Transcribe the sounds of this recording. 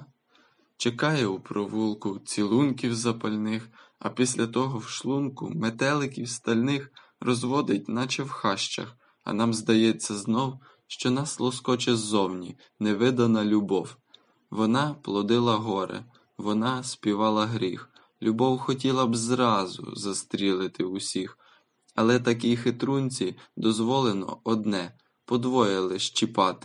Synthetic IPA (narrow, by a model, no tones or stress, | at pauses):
t͡ʃekɑjɛupɾɔʋulˠkʊt͡sʲilˠunkʲiwzɐpɐlʲnɪxɐ̰pʲisʲlʲɐt̪ɔɦɔwʃlˠumkʊ̰met̪ɛlˠɪkʲiwst̪ɐlʲnɪx | rɔzʋɔd̪ɪt̚ʲnɑt͡ʃɛwxɑʃt͡ʃɐ̰x | ɐ̰nɑmzd̪ɐjɛt͡sʲːɐznɔw | ʃt͡ʃɔnɑslˠɔskɔt͡ʃɛzzɔwnʲi | nɛʋɪd̪ɐnɐlʲʊbɔw | ʋɔnɑplˠɔd̪ɪlˠɐɦɔɾɪ̰ | ʋɔnɑsʲpʲiʋɑlˠɐɦɾʲix | lʲubɔwxɔtʲilˠɐbzɾɑzʊ̰zɐst̪ɾʲilˠɪt̪ɪʊsʲix | ɐlˠɛt̪ɐkixɪt̪ɾunʲt͡sʲid̪ɔzʋɔlˠenɔ̰ɔd̪nɛ | pɔd̪ʋɔjɪlˠɪʃt͡ʃipɑt̪ɪ̥